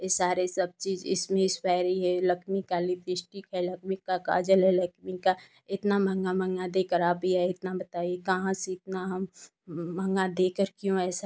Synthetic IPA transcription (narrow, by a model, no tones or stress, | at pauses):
esaːɾesɐb̚t͡ʃiːzɪ̰smẽɪspaːɾəɦiɦɛlɐkʰmikalit̪ɪsʈikɦɛlɐkmɪkːaka̰ːd͡ʒəlɦɛlɐkʰmika | ɪt̪namɐ̃ŋɡamə̃ŋɡad̪eːkəɾaːbʱiɛɪt̪nabɐt̪aːijekɐɦãseɪt̪naɦɐmː | ɐ̃ŋɡad̪eːkəɾkjõɛːsa